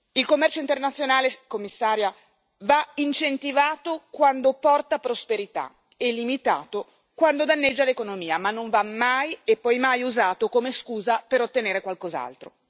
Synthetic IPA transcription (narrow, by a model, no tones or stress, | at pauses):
ilkomːɛrt͡ʃoint̪ernat̪sːjonaːlekomːisːaːɾja | vaint͡ʃent̪ivaːt̪okwand̪opɔrt̪apɾospeɾit̪a̰ | elimit̪a̰ːt̪o | kwand̪od̪anːed͡ʒːalekonomiːamanːoɱvamːajepːɔjmajuzaːt̪okomeskuːzapeɾot̪ːeneːɾekwalkoza̰lt̪ɾo̰